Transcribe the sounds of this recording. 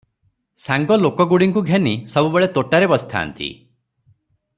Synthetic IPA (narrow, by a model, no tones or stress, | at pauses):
saŋɡɔlokɔɡuɽiŋkuɡʱenisɔbubeɭet̪oʈaɾebɔst̪ʰa̰ːnt̪ḭ